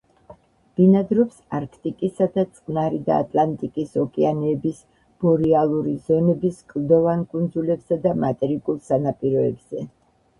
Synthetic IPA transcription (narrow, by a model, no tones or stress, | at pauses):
b̥inad̪ɾɔpsaɾkʰt̪ʼikʼisad̪at̪sʼqʼnaɾid̪a̰ːt̪ʼlant̪ʼikʼisɔkʼɛanɛːbis | b̥ɔɾialˠuɾizɔnɛbiskʼlˠd̪ɔvankʼund̪zulɛbsad̪amat̪ʼɛɾikʼulˠsanapʼiɾɔɛbz̥ɛ